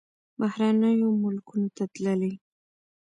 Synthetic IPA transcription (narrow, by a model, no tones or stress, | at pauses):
bahɾanəjomʊlkunot̪at̪ləli